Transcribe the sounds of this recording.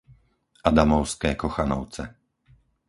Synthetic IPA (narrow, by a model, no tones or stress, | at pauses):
ad̪amɔʊskɛːkɔxanɔʊt͡sɛ